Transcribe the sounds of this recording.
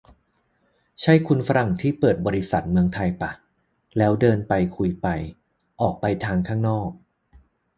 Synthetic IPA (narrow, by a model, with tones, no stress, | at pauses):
t͡ɕʰa˦˥˩jkʰu˧nfa˦˥ɾa˨˩ŋt̪ʰiː˥˩pɤː˨˩t̪̚bɔː˧ɾi˦˥sa˨˩t̪̚mɯ˧əŋt̪ʰa˧jpa˨˩ | lɛː˦˥wdɤː˧npa˧jkʰu˧jpa˧j | ʔɔː˨˩k̚pa˧jt̪ʰaː˧ŋkʰaː˥˩ŋnɔː˥˩k̚